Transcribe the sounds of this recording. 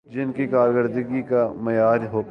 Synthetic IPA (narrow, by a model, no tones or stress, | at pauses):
d͡ʒɪnkikaːɾɡəɾd̪ɪɡikamɐjaːɾɦoː